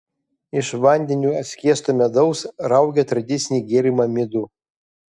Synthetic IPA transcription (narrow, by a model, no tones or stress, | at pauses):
ɪʃʋɐnʲd̪ʲɛnʲuːɐt̪ʲsʲkʲiɛst̪omʲɛd̪ɔʊsɾɐʊɡʲɛt̪ɾɐd̪ʲɪt̪sʲnʲiːɡʲeːɾʲɪmɐmʲɪd̪u